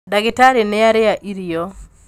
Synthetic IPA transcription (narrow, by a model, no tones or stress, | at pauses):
daɡɪtaɾɪnɛaɾɪaʔiɾijo